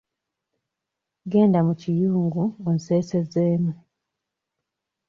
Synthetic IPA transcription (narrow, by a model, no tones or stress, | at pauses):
ɡe̞ːndamucijuːŋɡuonse̞ːse̞zeːmu